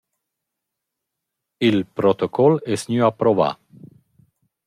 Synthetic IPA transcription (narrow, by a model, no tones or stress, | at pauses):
ilpɾot̪okʰɔlɛsnyapɾova̰